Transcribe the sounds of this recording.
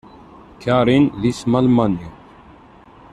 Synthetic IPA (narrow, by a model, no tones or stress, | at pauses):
kʰaːɾinlismɐlmani